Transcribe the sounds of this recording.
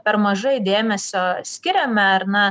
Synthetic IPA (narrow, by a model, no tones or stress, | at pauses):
pʲɛɾmɐʒɐɪd̪ʲeːmʲɛsʲoːsʲkʲɪɾʲɛmʲɛɐɾnɐ